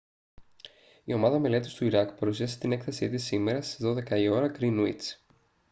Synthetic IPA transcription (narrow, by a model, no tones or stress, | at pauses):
io̞mɐðɐme̞le̞t̪ist̪uiɾɐkpɐɾusiɐse̞t̪ine̞kθesit̪isime̞ɾɐseðo̞ðe̞kɐio̞ɾɐkɾinuḭt͡s